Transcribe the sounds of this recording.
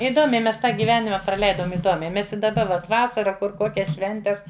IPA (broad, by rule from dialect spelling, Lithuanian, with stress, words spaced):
ɪˈdoːmʲɛɪ mʲɛs ˈtɑː ɡʲiːˈʋʲæːnʲɪmɐ prɐˈlʲɛɪdoːm ɪˈdoːmʲɛɪ ˈmʲɛs ɪ dɐˈbɐ ˈʋɐt ˈʋɑːsɐrɐ ˈkʊr ˈkoːkʲɛs ˈʃʲʋʲɛnʲtʲɛs